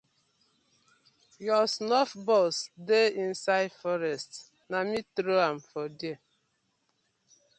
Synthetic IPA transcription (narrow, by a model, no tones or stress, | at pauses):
jɔsnɔfbɔsdeĩnsaɪdfɔɾɛst | namitɾoãmfɔdia